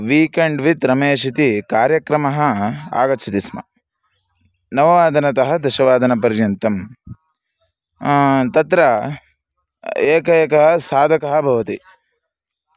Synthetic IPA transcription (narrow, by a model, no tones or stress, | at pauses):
ʋiːkeɳɖʋit̪ɾɐmeːʃit̪ikaːɾjɐkɾɐmɐɦɐa̰ːɡɐt͡ʃʰit̪ismɐ̰ | nɐʋɐʋaːd̪ʱɐnɐt̪ɐɦɐd̪ɐʃɐʋaːd̪ʱɐnɐpɐɾjɐnt̪ɐm | t̪ɐt̪ɾɐ | eːkɐjɐkɐɦɐsaːd̪ʱɐkɐɦɐ̆bʱɐʋɐt̪i